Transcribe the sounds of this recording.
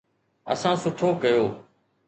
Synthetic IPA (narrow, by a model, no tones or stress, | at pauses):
ə̰sãːsʊʈʰoːkəjoː